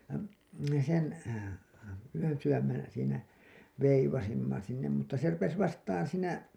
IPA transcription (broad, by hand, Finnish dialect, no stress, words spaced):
jɑ me sen yønsywæmːen siːnæ ʋeiʋɑsimːɑ sinːem mutːɑ se rupes ʋɑstɑːn siːnæ